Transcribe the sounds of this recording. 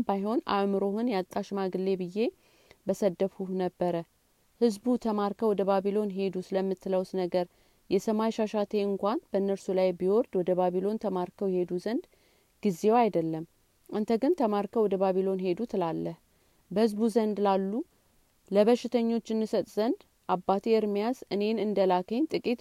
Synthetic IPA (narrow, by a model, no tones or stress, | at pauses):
bajho̞na̰mɨɾo̞hɨnjat̪ʼːaʃmaɡɨlːe̞bɨje̞ | bəsəd̪əfhuhnəbːəɾə | hɨzbut̪ʰəmaɾkəwɔd̪əβaβilo̞nɦe̞d̪usɨləmːɨt̪ːɨləwsnəɡəɾ | jɛsəmajʃaʃat̪ʰe̞ɨŋkʷanb̥əɨnːəɾsulajbiwɔɾd̪wɔd̪əβaβilo̞nt̪ʰəmaɾkʰəwjhe̞d̪uzənd̪ | ɡ̥ize̞wajd̪əlːəm | ɨnt̪ʰəɡɨnt̪ʰəmaɾkʰəwɔd̪əβaβilo̞nhe̞d̪ut̪ʰɨlalːəh | bəhɨzbuzənd̪lalːu | ləβəʃɪt̪ʰəɲːo̞t͡ʃːɨnːɨsət̪ʼzənd̪ | ʔabːat̪ʰiɨɾmijasɨne̞nɨnd̪əlakʰəɲt̪ʼɨkʼit̪